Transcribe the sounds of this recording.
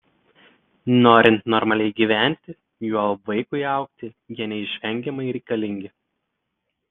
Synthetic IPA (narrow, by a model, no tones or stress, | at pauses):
noːɾʲɪnt̪nɔɾmɐlʲɛɪɡʲiːʋʲæˑnʲt̪ʲɪ | juːɐlˠʋɐɪkʊɪɑˑʊkt̪ʲɪ | jiɛnʲɛɪʃʲʋʲɛŋʲɡʲɛmɐɪɾʲɛɪkɐlʲɪŋʲɡʲɪ